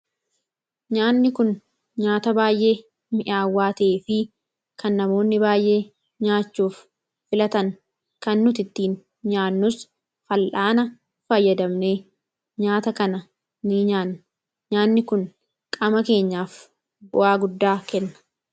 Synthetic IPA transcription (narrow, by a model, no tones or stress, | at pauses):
ɲaːnːɪkʊn | ɲaːt̪ɐbaːjʔe̞ː | mɪʔaːwːaːt̪eːfɪ | kʰɐnːɐmo̞ːnːɪbaːjʔe̞ː | ɲaːt͡ʃːuːfː | ɪlɐt̪ɐŋ | kɐnːʊt̪ɪt̪ːiːn | ɲaːnːʊs | fɐlʔaːnɐ | fɐjːɐd̪ɐmneː | ɲaːt̪ɐkɐnɐ | nɪɲaːnː | ɲaːnːɪkʊn | kʼɐmɐke̞ːɲːaːf | bʊʔaːɡʊd̪ːaːkɛnːɐ̥